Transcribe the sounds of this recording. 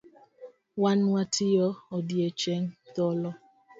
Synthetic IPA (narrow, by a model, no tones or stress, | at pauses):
wanwatijɔɔdiet͡ʃeŋ̩tɔlɔ